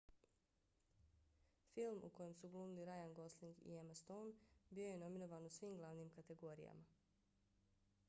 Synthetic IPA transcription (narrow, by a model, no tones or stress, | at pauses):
filˠmṵko̞je̞msuɡlˠuːnuliɾajanɡo̞sliŋɡḭemast̪onbio̞je̞no̞minoʋaːnusʋiːmɡlˠaʋnimkat̪e̞ɡo̞ːɾija̰ma